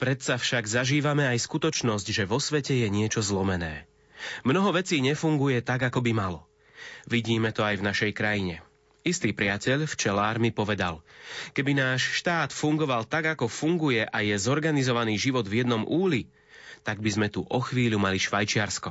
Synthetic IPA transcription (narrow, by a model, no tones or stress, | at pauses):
pɾɛt̪safʃaɡzaʒiːʋamɛajskut̪ɔt͡ʃnɔzɟʒɛʋɔsʋɛcɛjɛɲɪɛt͡ʃɔzlɔmɛnɛ̰ː | mnɔɦɔʋɛt͡siːɲɛfuŋɡujɛt̪aɡakɔbimalɔ | ʋiɟiːmɛt̪ɔajvnaʃɛjkɾajiɲɛ | ist̪iːpɾɪacɛʎft͡ʃɛlaːɾmipɔʋɛd̪a̰lkɛbinaːʃʃt̪aːt̪fuŋɡɔʋalt̪aɡakɔfuŋɡujɛʔajɛzɔɾɡanizɔʋaniːʒiʋɔd̪vjɛd̪nɔmʔuːli | t̪aɡ̚bizmɛt̪uʔɔxʋiːʎumaliʃʋajt͡ʃɪaɾskɔ